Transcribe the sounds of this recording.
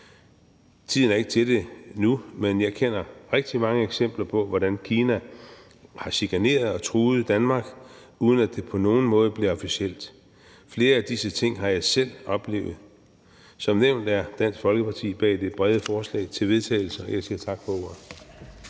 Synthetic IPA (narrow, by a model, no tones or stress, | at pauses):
t͡sʰið̰ˠnæɐe̝ɡ̥t͡sʰe̝lde̝numenjɑ̈ɪkʰen̰ɐʁɛɡ̥̚d̥imɑ̈ŋəeɡ̥sem̰b̥lɐpʰɒ̽ʋɒɾænkʰiːnæ | hɑ̈ɕiɡ̥ʰæne̝̰ːɐðˠɒ̽t͡sʰʁuːð̞̩ˠd̥ænmɑ̈ɡ̥ | uːð̞ˠn̩æd̥e̝pʰɒ̽no̝ːn̩mɔ̽ːð̞̩ˠb̥liɐɒ̽fiɕiel̰d̥ | fle̝ːɐæd̥isət͡sʰe̝ŋ̰ɦɑ̈jɑ̈ɪsel̰ɒ̽b̥le̝̰ːʊð̞̩ˠ | sɒ̽mneʊ̰nd̥æɐd̥æn̰sɡ̥fɒ̽lɡ̥əpɑ̈t͡sʰḭːb̥ɛ̰ːd̥e̝b̥ʁɛð̞ˠəfɒːslɛ̰ɪt͡sʰe̝lʋe̝ð̞ˠt͡sʰɛ̰ɪl̩sɐɒjäsiːɐt͡sʰɑ̈ɡ̥fʰɒo̝ɐ̰